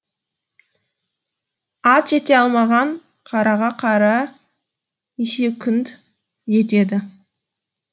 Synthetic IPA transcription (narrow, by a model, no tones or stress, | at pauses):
ɑt̪ʒe̞t̪e̞ɑlˠmɑʁɑɴ | qʰɑɾɑʁɑqʰɑɾɑ | neʃe̞kʲʰʏnt̪ | ʒe̞t̪e̞d̪ɪ